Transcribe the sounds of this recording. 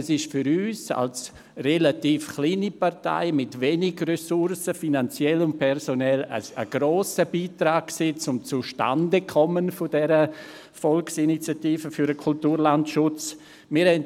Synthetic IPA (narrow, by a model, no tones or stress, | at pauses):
ɛsɪʃfyɾyːsa̰ls | relatiːfxliːniparta̰ɪmɪtvenɪɡrɛsʊrsəfinant͡sjɛlʊnt̚pʰɛɾsonɛlə̰əɡ̥ɾoːsəbiːtɾaːk̚ksiːt͡sʊmt͡suʃta̰ndəkʰɔmənfʊdɛɾə | fɔlksinit͡sjatiːfəfyɾəkʰultuːɾlantʃʊt͡s | mɪːɾhɛn